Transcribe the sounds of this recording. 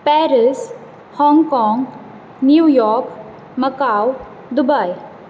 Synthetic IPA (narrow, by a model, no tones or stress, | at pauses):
pɛːɾɪs | hɔ̃ŋɡkɔŋɡ | njuːjɔːɾk | mɐkaw | d̪ʊbaj